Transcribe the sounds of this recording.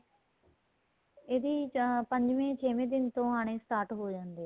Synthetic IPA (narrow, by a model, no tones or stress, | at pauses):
eːd̪iːpəɲd͡ʒʋẽːt͡ʃʰeːʋẽːd̪ɪnt̪õːɦaːɽ̃eːst̪aːɾʈɦoːd͡ʒãːnd̪eː